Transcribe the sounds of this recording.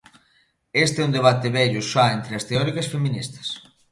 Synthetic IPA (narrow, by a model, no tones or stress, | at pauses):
est̪ɛund̪eβ̞at̪ɪβɛʎʊʃaent̪ɾeɐst̪eɔɾikɐsfemĩnist̪ɐ̥s